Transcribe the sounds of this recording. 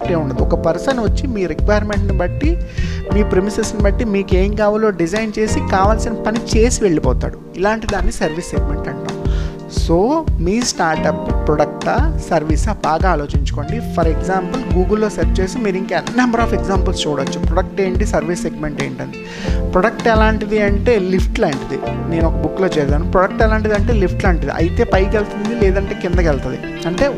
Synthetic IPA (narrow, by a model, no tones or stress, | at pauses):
ʈe̞ːuɳɖɐd̪iɔkɐpɐɾsɐnʋɐt͡ʃːimiːɾikʋɐjɐɾme̞ɳʈnibɐʈːimiːpɾemisesnibɐʈːimiːkeːŋkaːʋɐlo̞ːɖid͡ʒɐjnt͡ʃe̞ːsikaːʋaːlsinɐpɐnit͡ʃe̞ːsiʋe̞ɭːipɔːt̪a̰ːɽuilaːɳʈid̪aːnːisɐɾʋiːsːeɡ̚me̞ɳʈɐɳʈa̰ːmu | soːmiːsʈaːɾʈɐppːɾɔɽɐk̚ʈɐsɐɾʋiːsɐbaːɡaːlo̞ːt͡ʃiɲt͡ʃu̥ko̞ːɳɖipʰɐɾeɡzaːmpɐlɡuːɡɐlːo̞ːseɾp̚t͡ʃe̞ːsimiːɾiŋkɛnːɐmbɐɾaːpeɡzaːmpɐlst͡ʃuːɽɐt͡ʃːupɾɔɽɐk̚ʈe̞ːɳʈisɐɾʋisːeɡme̞ɳʈe̞ːɳʈɐnd̪i | pɾɔɽɐk̚ʈɛlaːɳʈid̪iɐɳʈe̞ːlipʰʈlɐːɳʈid̪ḭne̞ːnɔkɐbukːlo̞ːt͡ʃɛːɾdaːnupɾɔɽɐk̚ʈɛlaːɳʈ̬id̪iɐɳʈe̞ːlipʰʈlɐːɳʈid̪ḭʔɐ̰jt̪e̞ːpɐjkelt̪und̪ilɛːd̪ɐɳʈe̞ːkind̪ɐkɛlt̪ɐnd̪ḭ | ɐɳʈe̞ː